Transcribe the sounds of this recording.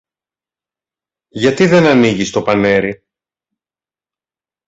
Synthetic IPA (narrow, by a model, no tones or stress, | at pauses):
ʝɐt̪iðe̞nɐniʝist̪o̞pɐne̞ɾi